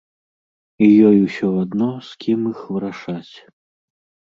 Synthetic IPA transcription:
ijɔjwsʲɔad̪nɔskʲʰimixvɨɾaʂat͡sʲ

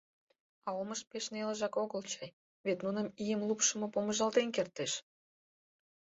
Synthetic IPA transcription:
ɑoməʃpeʃneləʒɑkoɣəlt͡ɕɑj | βet̪nunəmijəmlupʃəmɤ̆poməʒɑlt̪enkert̪eʃ

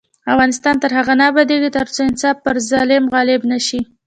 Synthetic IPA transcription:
afɣɑnɪst̪ɑnt̪əɾhaɣanɑbad̪eɡit̪əɾt͡soɪnsɑfpəɾzɑlɪmɣɑlɪbnaʃi

